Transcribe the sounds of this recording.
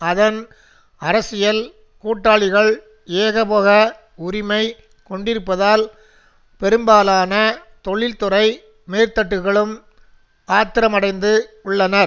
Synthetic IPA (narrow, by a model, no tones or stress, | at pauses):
ɐðɐn | ɐɾɐsɪjɐl | kuːʈːaːɭɪɣɐɭ | eːɣɐpoːɣɐ | ʊɾɪmɐɪ | kɔɳɖɪɾɯpːɐðaːl | pɛɾɯmbaːlaːnɐt̪ɔɭːɪlt̪ɯrɐɪ | meːɾt̪ɐʈːɯɣɐɭɯm | aːt̪ːɪɾɐmɐɽɐɪnd̪ɯʊɭːɐnɐɾ